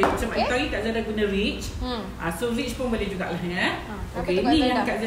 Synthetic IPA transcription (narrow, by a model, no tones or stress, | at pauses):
mat͡ʃamãĩt̪ait̪aʔzadaɡunãɾit͡ʃ | ʔãsorit͡ʃpʊnbolehd͡ʒuɡaʔlaɦŋan | okenĩaməkaʔza